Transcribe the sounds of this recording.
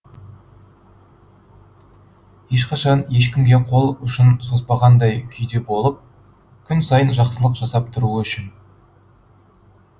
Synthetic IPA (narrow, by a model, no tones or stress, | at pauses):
je̞ʃqɑʃɑnje̞ʃkʲɪmɡʲe̞qʰo̞lˠʏʃɪnso̞spɑʁɑnd̪ɑjkʲʰʏjd̪e̞bo̞lˠəp̚ | kʲʰʏnsɑjənʒɑqsəlˠəqʒ̥ɑsɑp̚t̪ʰʊɾuəʏʃɪn